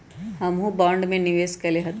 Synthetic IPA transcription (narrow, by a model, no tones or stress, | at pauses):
hɐmɦũbãːɳɖmẽnɪʋeːskɐleɦɐt̪